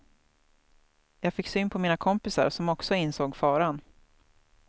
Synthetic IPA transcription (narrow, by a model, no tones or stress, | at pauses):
jɑːɡfɪkːsyːnpʰɔmiːnakʰɔmpɪsa̰ɾsɔmɔksɔɪnsoːɡfɑːɾan